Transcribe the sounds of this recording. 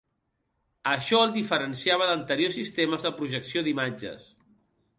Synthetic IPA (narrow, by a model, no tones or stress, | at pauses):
əʃɔəlˠd̪ifəɾənsiaβ̞əðənt̪əɾiosːist̪eməzðəpɾuʒəksioðimad͡ʒə̰s